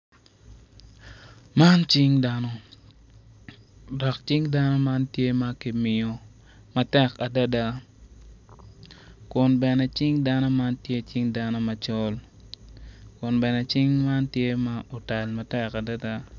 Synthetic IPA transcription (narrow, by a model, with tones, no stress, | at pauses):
ma˦nt͡ʃi˦ŋda˦no˦ | dɔ˨k̚t͡ʃi˦ŋda˦no˦ma˦ntje˦ma˦ki˨mɪ˨o˨ | ma˨tɛ˦ka˨da˦da˦ | kʊ˨nbɛ˨nɛ˦t͡ʃi˦ŋda˦no˦ma˦ntje˦t͡ʃi˦ŋda˦no˦ma˨t͡ʃɔ˦l | kʊ˨nbɛ˨nɛ˨t͡ʃɪ˦ŋma˦ntje˦ma˦o˨ta˨lma˨tɛ˦ka˨da˦da˦